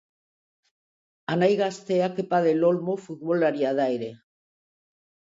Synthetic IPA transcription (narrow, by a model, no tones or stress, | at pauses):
anajɣast̪eakepaðelolmofuðβolaɾjaðajɾe